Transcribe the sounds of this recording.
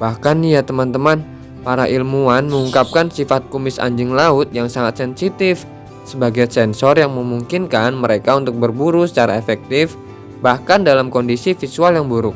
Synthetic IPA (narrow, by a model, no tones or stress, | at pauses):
b̥ahkanijat̪əmant̪əman | paɾaʔilmuanməŋuŋkap̚kansifat̪̚kumɪsa̰ɲd͡ʒɪŋlaʊt̪̚jaŋsaŋat̪̚sɛnsit̪ɪf | səbaɡajsɛnsɔrjaŋməmuŋkinkanməɾekaunt̪ʊk̚bərbuɾusə̥t͡ʃaɾaefɛk̚t̪ɪf | bahkandalamkɔndisifisualjaŋbuɾʊk̚